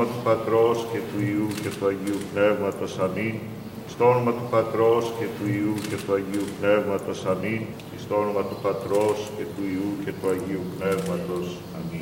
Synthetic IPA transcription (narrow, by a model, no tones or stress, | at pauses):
ɐt̪upɐt̪ɾo̞sce̞t̪uiuce̞t̪uɐʝiupne̞vmɐt̪o̞sɐmin | ist̪oo̞no̞mɐt̪upɐt̪ɾo̞sce̞t̪uiuce̞t̪uɐʝiupne̞vmɐt̪o̞sɐmin | ist̪oo̞no̞mɐt̪upɐt̪ɾo̞sce̞t̪uiuce̞t̪uɐʝiupne̞vmɐt̪o̞s | ɐmi